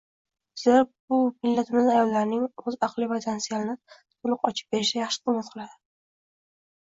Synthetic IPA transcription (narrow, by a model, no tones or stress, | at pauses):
z̥eɾbʊmɪlːat̪ʰɪmɪzajɒlˠːaɾnɪŋɵzɑqlˠɪvat̪ʰansijalɪnɪ | t̪ʰʊlˠɨqɒt͡ʃʰɪ̥p̚be̞ɾɪʃajaχʃɪ̥qʰɨmːat̪qʰɨlˠad̪ɪ